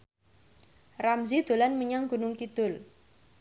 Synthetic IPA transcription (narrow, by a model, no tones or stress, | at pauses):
ramzid̪̥o̤lanməɲaŋɡ̥ṳnʊŋkid̪̥ʊ̤l